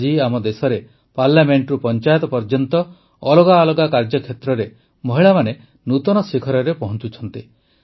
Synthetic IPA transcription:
d͡ʒiamɔd̪esɔɾe | paɾlameɳʈɾupɔnt͡ʃajɔt̪ɔpɔɾd͡ʒɔnt̪ɔ | ɔlɔɡaːlɔɡakaɾd͡ʒɔkʰjet̪ɾɔɾe | mɔɦiɭamane | nut̪ɔnɔsikʰɔɾɔɾepɔɦɔnt͡ʃut͡ʃʰɔnt̪i

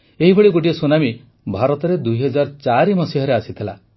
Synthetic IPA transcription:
eɦibʱeɭiɡoʈ̬iɔsunami | bʱaɾɔt̪ɔɾed̪uiɦɔd͡ʒaɾt͡ʃaɾimɔsiɦɔɾeasit̪ʰila

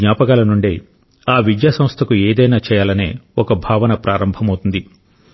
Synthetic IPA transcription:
ɲaːpɐkaːlɐnuɳɖḛ | aːʋid̪jaːsɐmst̪ʰɐkueːd̪ɐjnaːt͡ʃɛːjaːlɐne̞̰ːɔkɐbʱaːʋɐnɐpɾaːɾɐmbʱɐmɐwt̪und̪i

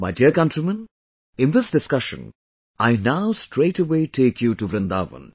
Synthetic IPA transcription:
maɪdiəkʌ̃ntɾimə̃n | ɪ̃nd̪ɪsdɪskʌʃə̰̃n | aɪnaʊsʈɾeɪʈəweːʈʰeːkʰjuʈuʋɾɨ̃nd̪aːʋə̰̃n

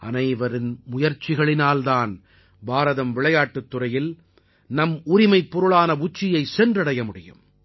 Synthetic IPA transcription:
ɐ̰nɐɪʋɐɾɪnmʊjɐɾt͡ʃɪɣɐɭɪnaːlðaːn | baːɾɐðɐmʋɪɭɐjaːʈːɯt̪ːʊɾɐjɪl | nɐmʊɾɪmɐɪpːʊɾɯɭaːnɐʊt͡ʃːɪjɐɪsɛndrɐɽɐjɐmʊɽɪjɯ̰m

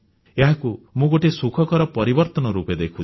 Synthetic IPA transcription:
eɦakumũɡoʈesukʰɔkɔɾɔpɔɾibɔɾt̪ɔnɔɾuped̪ekʰut͡ʃʰ

